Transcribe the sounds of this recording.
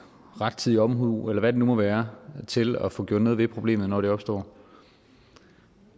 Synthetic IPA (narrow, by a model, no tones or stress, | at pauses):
ʁɑ̈d̥̚t͡sʰið̰ˠiɒ̽mɦuelɐʋæɾ̥e̝numɒ̽ʋæːɐt͡sʰe̝lɒfɔ̽ɡ̥jo̰ɔ̰d̥nɔ̽ːð̞ˠʋe̝pʰʁo̝b̥le̝̰ːmð̩ˠnɒːdɾe̝ɒ̽b̥sd̥ɒ̰ː